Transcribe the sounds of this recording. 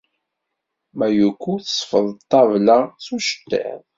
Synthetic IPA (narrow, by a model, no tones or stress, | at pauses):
mæjukʷːuθə̥sˤfəðˤt̪ːɑvlasuʃə̥t̪ːḛðˤ